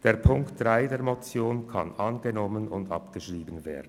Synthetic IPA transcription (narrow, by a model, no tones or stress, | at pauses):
d̥eːɐʁpʰʊŋktd̥ʁaɪdeːɐmɔt͡sjoːnkʰa̰nʔanɡənɔmənʊndɑ̰pɡ̥əʃʁiːbən̩vḛːɐdn̩